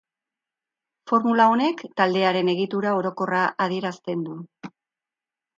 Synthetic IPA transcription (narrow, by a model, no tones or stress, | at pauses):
fo̞ɾmulao̞ne̞kt̪ald̪e̞aɾe̞ne̞ɣ̞it̪uɾao̞ɾo̞ko̞raʔaðie̞ɾast̪e̞nd̪u